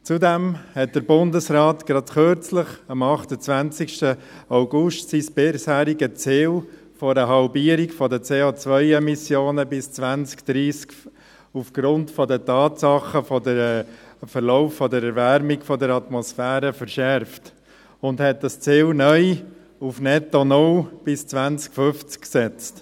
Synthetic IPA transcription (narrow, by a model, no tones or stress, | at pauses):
t͡sudɛmhɛt̚d̥əɾbʊndəsɾɑːtɡ̥ɾɑdxøɾt͡sləχɑmɑχtət͡sʋænt͡sɪkʃtə | aʊɡʊʃtsisb̥ɪshæːɾiɡət͡sɪːl | fɔɾəɦɑlbiːəɾikfɔdət͡seːot͡sʋœʏɛmisjoːnəbɪst͡sʋænt͡skd̪̥ɾiːsk | ufɡ̥ɾʊntfɔdətɑːtsɑχəfɔdəɾɛfəɾlɔʊfːɔdəɾɛɾvæɾmɪɡfɔdəɾɑt̪mɔsfæːɾəfəɾʃɛɾft | ʊndhɛt̚dɑst͡sɪːlnœʏ | ufnɛtɔnʊlb̥ɪst͡svʋænt͡skfʏft͡skksɛt͡st